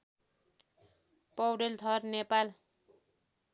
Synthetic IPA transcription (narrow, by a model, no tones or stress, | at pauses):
pʌwɖelt̪ʰʌrnepal